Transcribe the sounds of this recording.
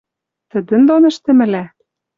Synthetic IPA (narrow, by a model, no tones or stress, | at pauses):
t̪ə̆d̪ɘ̆nd̪onɘ̆ʃt̪ɘ̆mɘ̆læ